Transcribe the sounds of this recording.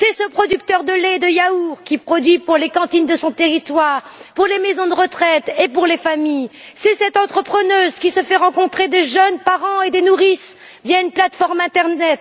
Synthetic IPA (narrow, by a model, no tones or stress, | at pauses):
sɛsəpχɔd̪yk̚t̪œʁd̪əled̪əjauʁkʲipχɔd̪ɥipuʁlekɑ̃t̪ind̪əsɔ̃t̪eʁit̪waʁpuʁlemezɔ̃d̪əʁət̪χɛt̪epuʁlefamij | sɛsɛt̪ɑ̃t̪χəpχənøzkʲisəfɛʁɑ̃kɔ̃t̪χed̪eʒənpaʁɑ̃ed̪enuʁis | vjaynplat̪fɔʁmɛ̃t̪ɛʁnɛt̪